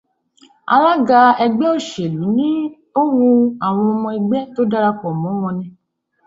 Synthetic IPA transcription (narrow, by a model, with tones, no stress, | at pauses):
a̰˧la˦ɡa˧ɛ˧ɡ͡bɛ˦o˦˨ʃe˨lu˨˦nĩ˦ | o˦wu˧a˨w̃ɔ̃˧ɔ˧mɔ̃˧i˧ɡ͡bɛ˦to˦da˦ɾa˧k͡pɔ˨mɔ̃˨˦w̃ɔ̃˧nɛ̃˧˦